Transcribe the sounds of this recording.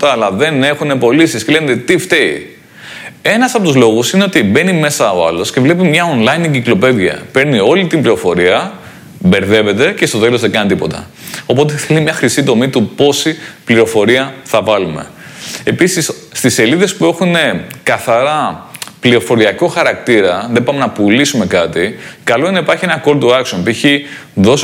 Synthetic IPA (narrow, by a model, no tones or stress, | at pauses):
t̪ɐːlɐðe̞ne̞xune̞po̞lisiscele̞net̪et̪ift̪ei | e̞nɐsɐpot̪uzlo̞ɣusineot̪ibe̞nime̞sɐo̞ɐ̰lo̞sce̞vle̞p̬imɲɐonlɐinɟiklo̞pe̞ðʝɐ̰pe̞ɾnio̞lit̪imbliɾo̞fo̞ɾiɐ | be̞ɾðe̞ve̞t̪e̞ce̞st̪o̞t̪e̞lo̞zðeɡɐnit̪ipo̞̰t̪ɐ̰ | o̞po̞t̪eθelimɲɐxɾisit̪o̞mit̪upo̞sipliɾo̞fo̞ɾiɐθɐvɐlume̞̰e̞pisisːt̪ise̞liðe̞spue̞xune̞kɐθɐɾɐpliɾo̞fo̞ɾiɐkoxɐɾɐkt̪iɾɐðebɐmenɐpulisume̞kɐt̪ikɐlo̞inɐipɐɾçie̞nɐko̞lt̪uɐksonpueçiðo̞s